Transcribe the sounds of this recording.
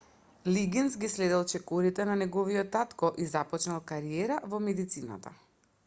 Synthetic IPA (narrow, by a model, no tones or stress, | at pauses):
liɡinsɡislɛd̪ɛlˠt͡ʃɛkɔɾit̪ɛnanɛɡɔviɔt̪ːat̪kɔʔizapɔt͡ʃnalˠkaɾiɛɾavɔmɛd̪it̪sina̰t̪a̰